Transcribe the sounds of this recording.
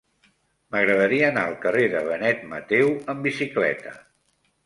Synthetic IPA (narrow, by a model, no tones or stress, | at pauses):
məɣɾəðəɾiəːnaəlˠkəreðəβənɛt̪mət̪ewəmbisiklɛ̰t̪ə̰